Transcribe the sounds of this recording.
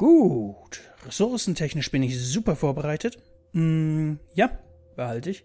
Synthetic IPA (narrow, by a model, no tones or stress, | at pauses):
ɡ̥uːtʁɛsʊɐsn̩tʰɛçnɪʃb̥ɪnɪçz̥uːpɐfoːɐbəʁaɪtʰət | m̩jaː | b̥əhaltəɪç